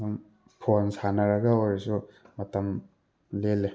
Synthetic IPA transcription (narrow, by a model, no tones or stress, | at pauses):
um | pʰonsanɐɾɐɡɐojɾsumɐtɐm | lelːe